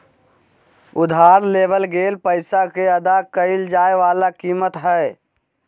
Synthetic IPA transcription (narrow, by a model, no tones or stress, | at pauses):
ʊd̪ʱaːɾleːbəlɡeːlpəɪsakeəd̪akəɪld͡ʒaːeʋaːlakiːmət̪ɦɛː